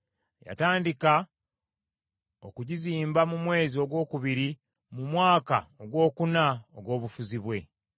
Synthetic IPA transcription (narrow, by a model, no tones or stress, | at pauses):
ja̰taːndika | o̰kuɟiziːmbamumwe̞ːzio̞ɡwo̞ːkuβiɾi | mumwaːka̰oɡwo̞ːkunaoɡwo̞ːβufuziβwe̞